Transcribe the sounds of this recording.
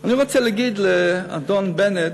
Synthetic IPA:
animat͡sɛlɪɡidlea̰dɔnbɛnɪt

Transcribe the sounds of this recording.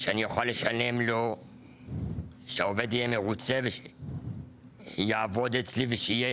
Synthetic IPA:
ʃeanijaxalːeʃalemlo | ʃeoved̪ijemeʁut͡seve | jaːvo̞d̪et͡sliveʃeije

